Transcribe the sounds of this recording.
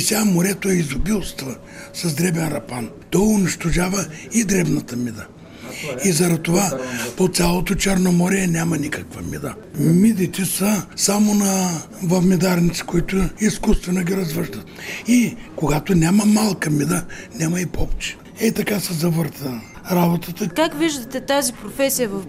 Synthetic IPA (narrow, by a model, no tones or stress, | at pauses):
isʲamoɾɛt̪oɛizʊbilˠst̪və | sɐzd̪ɾɛbɛnɾɐpan | t̪ɔʊniʃt̪oʒavəid̪ɾɛbnɐt̪əmid̪ə | izɐɾɐt̪ovapot̪sʲalˠot̪ot͡ʃɛɾnomɔɾiɛnʲamɐnʲikəkvɐmḭd̪ə | mid̪it̪ɛsəsamonɐ | vɐvmid̪aɾnit̪si̥koit̪ʊiskust̪vɛnoɡʲiɾɐzvəʃt̪ət̪ikoɡat̪onʲamɐmalˠkəmid̪ənʲamɐipɔp̚t͡ʃɛ̥ | ɛt̪ɐkasɛzɐvəɾt̪ə | ɾabot̪ət̪əkakviʒd̪ɐt̪ɛt̪azipɾofɛsijəvɐf